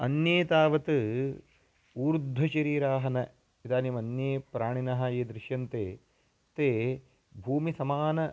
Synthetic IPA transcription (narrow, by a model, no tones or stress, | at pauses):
ɐ̰njeːt̪aːʋɐt̪ɨ | uːɾud̪ʱːɐt͡ʃɐɾiːɾaːɦɐnɐ | it̪aːniːmɐnjeːpɾaːɳinɐɦɐjeːd̪ɾɪʃjɐnt̪eː | t̪eː | bʱuːmisɐmaːnɐ